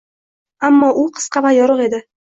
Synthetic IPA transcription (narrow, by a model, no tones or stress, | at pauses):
amːɒʔʊqʰɨ̥sqɑvajɒɾʊqe̞d̪ɪ